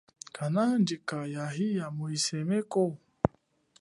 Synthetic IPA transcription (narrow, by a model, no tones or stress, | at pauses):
kʰanand͡ʒikajaɦijamoisemeko